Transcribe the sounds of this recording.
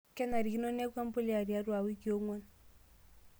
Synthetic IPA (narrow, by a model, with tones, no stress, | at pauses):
kɛ˦na˨ɾi˨ki˦no˦na˦kwa˦mbo˦lja˨ɾja˦ɾwa˨wi˦kjo˦ŋo˦n